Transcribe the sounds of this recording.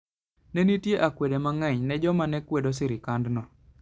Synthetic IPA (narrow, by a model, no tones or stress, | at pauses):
nɛnitjeʔakwedemaŋɛɲnɛd͡ʒɔmanɛkwedos̬ɪɾɪkandnɔ